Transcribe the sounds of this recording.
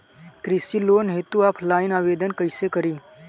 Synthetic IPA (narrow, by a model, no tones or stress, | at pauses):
kɾisiloːnɦeːt̪uaːpʰlaːɪnaːʋeːd̪ənkəɪsekəɾiː